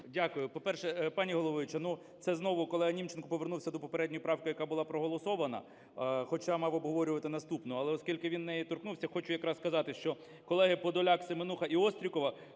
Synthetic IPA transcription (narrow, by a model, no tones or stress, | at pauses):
dʲakʊjʊpɔpɛrʃɛpɑnʲiɦɔlˠɔʋɪt͡ʃɐnu | t̪sɛznɔʋʊkɔlˠɛɦɐnʲimt͡ʃenkʊpɔʋernuwsʲɐd̪ɔpɔpeɾɛdʲnʲɔjʊpɾɑwkɪjɐkɑbʊlˠɑpɾɔɦɔlˠɔsɔʋɐnɐ̰ | xɔt͡ʃɑmɑwɔbɦɔʋɔɾʲʊʋɐt̪ɪnɐst̪upnɔɐlˠɛɔskʲilʲkɪʋʲinːɛjɛt̪ɔrknuwsʲɐxɔt͡ʃʊjɐkɾɑsskɐzɑt̪ɪʃt͡ʃɔ | kɔlˠɛɦɪpɔd̪ɔlʲɑksɪmenuxɐʔiɔst̪ɾʲikɔʋɐ